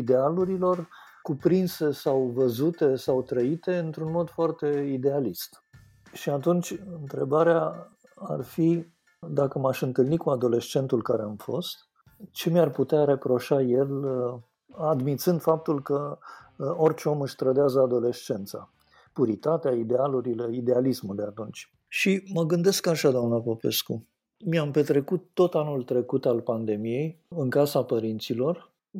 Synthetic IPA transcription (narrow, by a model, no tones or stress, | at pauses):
id̪e̞aluɾilo̞r | kupɾinse̞sawvəzut̪e̞sawt̪ɾəit̪e̞ɨnt̪ɾunmo̞d̪foart̪e̞id̪e̞alist̪ | ʃiat̪unt͡ʃʲɨnt̪ɾe̞baɾea | a̰rfi | d̪akəmaʃɨnt̪ɨlnikuad̪o̞le̞st͡ʃe̞nt̪ulkaɾeamfo̞̰st̪ | t͡ʃe̞mjarput̪eaɾe̞pɾo̞ʃaje̞l | ad̪mit̪sɨnd̪fap̚t̪ulkə | o̞rt͡ʃeo̞mɨʃʲt̪ɾəd̪eazəad̪o̞le̞st͡ʃe̞nt̪sa̰ | puɾit̪at̪eaid̪ealuɾile̞id̪e̞alismuld̪eat̪unt͡ʃʲ | ʃiməɡɨnd̪e̞skaʃad̪oamnəpope̞̰sku | miampe̞t̪ɾe̞kut̪ːo̞t̪anult̪ɾe̞kut̪alpand̪e̞mije̞jɨŋkasapəɾint̪silo̞r